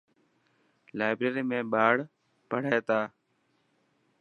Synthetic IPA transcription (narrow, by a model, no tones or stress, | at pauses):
laːɪbɾeːɾiːmẽːɓaːɽ | pəɽ̤eːt̪aː